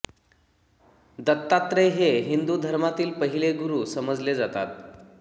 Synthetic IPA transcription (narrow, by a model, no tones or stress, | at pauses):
d̪ət̪ːat̪ɾeɦeɦind̪ud̪ʱəɾmat̪iːlpəɦileɡuɾusəməd͡zled͡zat̪a̰t̪